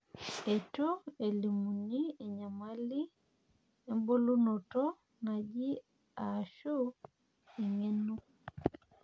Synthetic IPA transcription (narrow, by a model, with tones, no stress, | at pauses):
ɛ˨to˦e˨li˨mu˨ni˦ɛ˨ɲa˨ma˦li˦ | ɛ˦mbo˦lu˦nɔ˨tɔ | ŋa˨ɟi˦ | a˨ʃo˦ | e˨ŋɛ˦nu˦